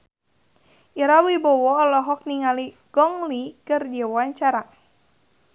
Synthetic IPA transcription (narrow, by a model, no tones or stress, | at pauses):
ʔiɾawibɔwɔlɔɦɔk̚niŋali | ɡ̥ɔŋlikɨrd͡ʒɛwaɲt͡ʃaɾa